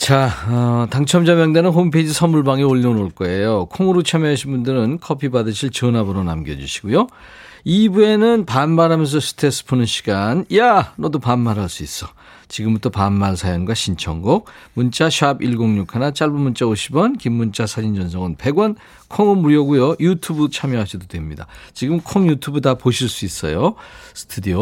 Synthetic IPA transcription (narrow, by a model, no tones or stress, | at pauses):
t͡ɕaʌtaŋt͡ɕʰʌmd͡ʑamjʌŋdenɯnɦompʰed͡ʑisʰʌmuɭbaŋeoʎːionoɭk͈ʌe̞jokʰoŋɯɾot͡ɕʰamjʌɦaɕʰinbundɯɾɯnkʰʌpʰibadɯɕʰiɭt͡ɕʌnabɯɾona̰mɡjʌd͡ʑuɕʰi̥ɡujo | ibue̞nɯnpanmaɾɦamjʌns̬ʰʌsʰɯ̥tʰes͈ɯ̥pʰonɯnɕʰi̥ɡ̥anjanʌdopanːaɾɦaɭs͈uis͈ʌ | t͡ɕiɡɯmut͈ʰopanːaɭsʰajʌnɡwaɕʰint͡ɕʰʌŋɡok̚ | munt͡ɕ͈aɕʰabiɭɡoŋɲokʰanat͡ɕ͈aɭbumunt͡ɕ͈aoɕʰibʌnkimːunt͡ɕ͈asʰad͡ʑind͡ʑʌnsʰʌŋɯnpe̞ɡwʌn | kʰoŋɯmuɾjʌɡujojutʰubɯt͡ɕʰamjʌɦaɕʰidodwe̞mɲida̰t͡ɕiɡɯmkʰʌŋjutʰubɯtapoɕʰiɭs͈uis͈ʌ̰josʰɯ̥tʰudio